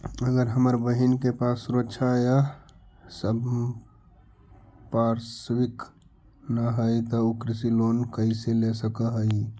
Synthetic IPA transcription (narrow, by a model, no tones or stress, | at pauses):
əɡəɾɦəməɾbəɦinkepaːsːʊɾəkːʃʰaja | səb | paːɾswɪk | naɦəit̪oukɾɪsiloːnkəɪselesəkaɦəi